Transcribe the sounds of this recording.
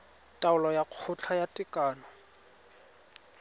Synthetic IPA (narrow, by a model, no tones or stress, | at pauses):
tʼaʊlɔjaq͡χʰʊt͡ɬʰajatʼɪkʼaːnɔ